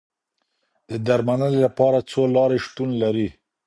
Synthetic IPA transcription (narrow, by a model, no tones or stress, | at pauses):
d̪̥əd̪aɾmanəlelapɑɾat͡solɑɾeʃt̪unlaɾi